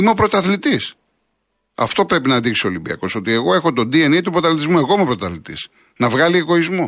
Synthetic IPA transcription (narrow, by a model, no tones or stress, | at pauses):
imeo̞pɾo̞t̪ɐθlit̪is | ɐ̰ft̪o̞pɾe̞pinɐnðiksiolimbiɐ̰ko̞so̞t̪ie̞ɣo̞e̞xot̪o̞d̪ienet̪upɾot̪ɐlit̪izmue̞ɣo̞imepɾot̪ɐθlit̪ḭs | nɐvɣɐlie̞ɣo̞izmu